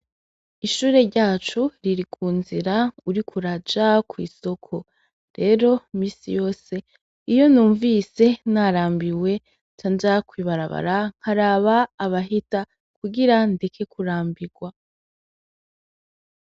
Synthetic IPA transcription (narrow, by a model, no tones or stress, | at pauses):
iʃuːɾe̞ɾɟaːt͡ʃuɾiɾikʰuːnziɾauɾikʰuɾad͡ʒakwiːso̞kʰo̞ | ɾe̞ːɾo̞miːsijo̞ːse̞ | ijo̞nuːɱviːse̞naɾaːmbiwe̞ | tanzakwiːβaɾa̰βa̰ɾaŋ̥haɾaːβaːβaɦita | kʰuɡiɾande̞kʰe̞kuɾaːmbiɡ̥wa